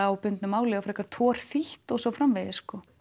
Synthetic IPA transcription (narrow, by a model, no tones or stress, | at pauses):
awpʏnt̪nʏmːaːwlɛɣafɾɛhkaɾ̥t̪ʰvɔːɾ̥θiht̪ɔsɔwfɾamvɛðɪskɔ